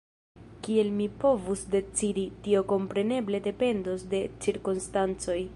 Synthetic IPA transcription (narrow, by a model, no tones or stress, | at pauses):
kie̞lmipo̞vusde̞t͡siditio̞ko̞mpɾe̞ne̞ble̞de̞pe̞ndosde̞t͡ʃiɾkonstant͡so̞j